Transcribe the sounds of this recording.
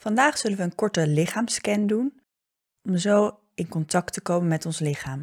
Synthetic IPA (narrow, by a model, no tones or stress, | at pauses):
fɑndaːχsɵlənʋəːnkɔɹtəlɪχaːmskɛndun | ɔmzow | ɪnkɔntɑk̚təkowmənmɛtɔnslɪχaːm